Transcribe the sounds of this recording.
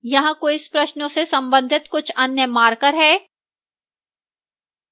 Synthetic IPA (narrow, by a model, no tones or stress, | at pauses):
jɐɦãkoɪspɾɐʃnõsesɐ̃mbə̃nd̪ʱɪt̪kʊt͡ʃʰɐnjəmaːɾkəɾɦɛː